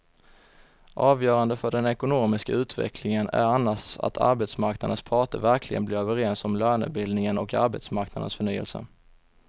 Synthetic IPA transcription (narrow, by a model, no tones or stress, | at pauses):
ʔɑːvjœːɾand̪əfœɖɛnɛkʊnoːmɪskaʉ̟ːt̪ʰvɛ̰kʰlɪŋənæ̰ɾanːaʂa̰t̪ʰa̰ɾbɛt̪smaɾknad̪ənspʰɑːʈə̰væɾkʰlɪɡə̰nblɪɾøːvəɾɛnsɔmlœːɳʉ̰t̪̚bɪld̪nɪŋənɔka̰ɾbɛ̰t̪smaɾknad̪ə̰nsfœɳyːə̰lsə̰